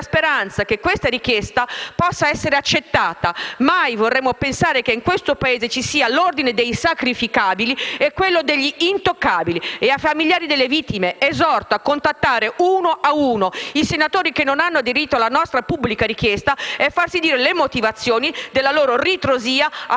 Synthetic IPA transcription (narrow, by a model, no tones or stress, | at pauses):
speɾant̪sakekːwest̪aɾik̟jest̪apɔsːaɛsːeɾeat͡ʃːet̪ːaːt̪amajvorːɛmːopensaːɾekeiŋkwest̪opaeːzet͡ʃisiːalord̪ined̪ejsakɾifikaːbiliɛkːwelːod̪eʎːiːnt̪okːaːbilieafːamilʎjaːɾid̪elːevit̪ːimeezɔrt̪oakːont̪at̪ːaːɾeuːnoʔauːnoisenat̪oːɾikenːonanːoad̪eɾit̪ːoalanɔst̪ɾapubːlikaɾik̟jɛst̪aɛfːarsid̪iːɾelemot̪ivat̪sːjoːnid̪elːaloːɾorit̪ɾoziːa